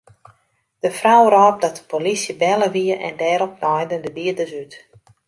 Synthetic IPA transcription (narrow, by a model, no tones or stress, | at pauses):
d̥əfrawrɔːp̚dɔtə̥pʰolisjəbɛləʋiəʔɛ̰ndɛːɾɔp̚nɔjdəndəbiədəsyt